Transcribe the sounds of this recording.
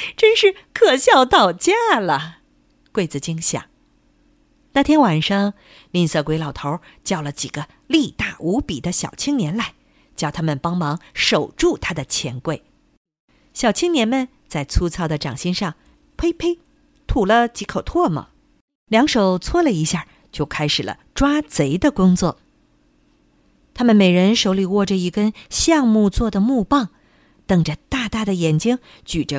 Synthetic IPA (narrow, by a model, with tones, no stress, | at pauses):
ʈ͡ʂə˥nʂɻ̩˥˩˧kʰɤ˨˩ɕjɑ˥˧ʊt̪ɑ˥˧ʊt͡ɕja˥˩lə˩ | kwe˥˩ɪt͡sɹ̩˨˩t͡ɕi˥ŋɕjɑ̰˨˩˦ŋ | na˥˩t̪ʰjɛ˥nwa˨˩nʂɑ˥ŋ | li˥˩nsɤ˥˩kwe˧˥ɪlɑ˨˩ʊt̪ʰo˧˥ʊt͡ɕjɑ˥˩ʊlə˩t͡ɕi˨˩ɡ̥ə˦ | li˥˧t̪a˥˩ʔu˧˥pi˨˩d̪ə˦ɕjɑ̰˨˩ʊt͡ɕʰi˥ŋnjɛ˧˥nla˧˥ɪ | t͡ɕjɑ˥˧ʊt̪ʰa˥mə˨npɑ˥ŋmɑ˧˥ŋʂo˨˩ʊʈ͡ʂu˥˩t̪ʰa˥d̪ə˨t͡ɕʰjɛ˧˥nkwe˥˩ɪ | ɕjɑ˨˩ʊt͡ɕʰi˥ŋnjɛ˧˥nmə˨n | t͡sa˥˩ɪt͡sʰu˥t͡sʰɑ˥ʊd̪ə˨ʈ͡ʂɑ˨˩ŋɕi˥ŋʂɑ˥˩ŋ | pʰe˥ɪpʰe˥ɪ | t̪ʰu˨˩lə˦t͡ɕi˧˥kʰo˨˩ʊt̪ʰwɔ˥˩mə̰˩ | ljɑ˧˥ŋʂo˨˩ʊt͡sʰwɔ˥lə˨i˧˥ɕja˥˩ | t͡ɕjo˥˩ʊkʰa˥ɪʂɻ̩˨˩lə̰˦ʈ͡ʂwa˥t͡se˧˥ɪd̪ə˧kʊ˥ŋt͡swɔ̰˥˩ | t̪ʰa˥mə˨nme˨˩ɪɻə˧˥nʂo˧˥ʊli˨˩wɔ˥˩ʈ͡ʂə˩i˧˥kə˥ɕjɑ˥˧ŋmu˥˧t͡swɔ˥˩d̪ə˩mu˥˧pɑ˥˩ŋ | t̪ɤ˨˩ŋʈ͡ʂə˧t̪a˥˩t̪a˥˩d̪ə˩jɛ˨˩nt͡ɕi˥ŋ | t͡ɕy˨˩ʈ͡ʂə˦